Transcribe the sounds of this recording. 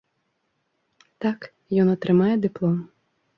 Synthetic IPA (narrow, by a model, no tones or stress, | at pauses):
t̪ak | jɔnɐt̪ɾɨmajɛd̪ɪplˠɔm